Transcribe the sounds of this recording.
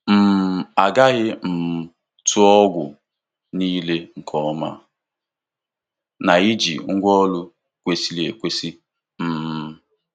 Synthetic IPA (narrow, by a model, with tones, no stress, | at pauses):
m̩˨a˨ɡa˦ɣɪ˦m̩˨ | tʊ˦ɔ˦ɡʷʊ̰˨ | niː˦le˦ŋ̩˨kʰɔ˦ɔ˦ma̰˦ | na˨i˦d͡ʒḭ˨ŋ̩˦ɡʷɔ˦lʊ˦ | kʷe˦si˦le˨kʷe˦si˦ | m̩˨